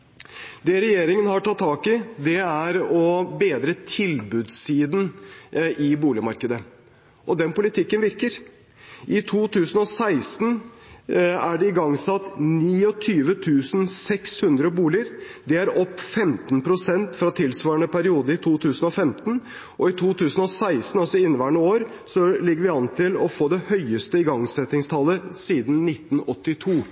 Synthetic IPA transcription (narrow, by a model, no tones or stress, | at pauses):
d̪ɛɾɛjeːɾɪŋənhɑʈʰɑt̪ʰːɑːkɪd̪ɛæɾɔbeːd̪ɾət̪ʰɪlbʉd̪siːd̪n | ɪbuːlɪmɑɾkəd̪ə | ʔɔd̪ɛnpʊlɪt̪ɪkːənʋɪɾkəɾ | ʔɪt̪ʰuːt̪ʰʉːsən̩ɔsæɪst̪n | æɖɛɪɡɑŋːsɑt̪ːniːɔt̪ʰyːʋət̪ʰʉːsnsɛkshʉnd̪ɾəbuːlɪəɾd̪ɛæɾɔpːfɛmt̪npʰɾʊsɛnt̪fɾɑt̪ʰɪlsʋɑːɾɳəpʰæɾɪuːd̪əɪt̪ʰuːt̪ʰʉːsən̩ɔfɛmt̪n̩ | ʔɔɪt̪ʰuːt̪ʰʉːsən̩ɔsæɪst̪n̩ɑlsɔɪnːʋæːɳəoːɾ | sɔlɪɡəɾʋɪɑnt̪ʰɪlɔfoːd̪ɛhœʏəst̪əɪɡɑŋsɛt̪ɪŋst̪ʰɑlːəsiːd̪nnɪt̪ːn̩ɔt̪ːɪt̪ʰuː